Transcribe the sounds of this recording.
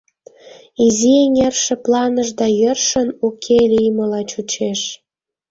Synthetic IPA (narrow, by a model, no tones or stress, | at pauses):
izieŋerʃĕplɑnəʒd̪ɑjərʃə̆nukʰelʲijməlɑt͡ɕut͡ɕeʃ